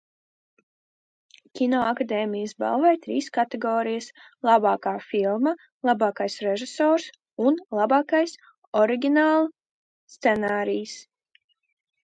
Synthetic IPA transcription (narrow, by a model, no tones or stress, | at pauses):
kʲinɔakad̪eːmʲijəsba̰lˠvɛjt̪ɾḭːskat̪ɛɡɔːɾijəs | lˠabɑːkaːfilˠma | lˠabɑːkajsɾeʒisɔːɾs | unlˠabɑːkajs | ɔɾiɡʲinaːlˠu | st̪sɛnaːɾijs